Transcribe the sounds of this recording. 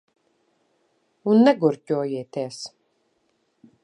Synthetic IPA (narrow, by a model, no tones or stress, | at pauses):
unːɛɡuɾcʲuɔjiːt̪ɛːs